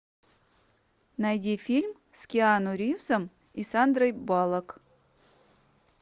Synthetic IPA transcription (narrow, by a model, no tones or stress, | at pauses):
nɐjdʲifʲilʲm | skʲɪanʊɾʲivzəm | isand̪rəjbalˠək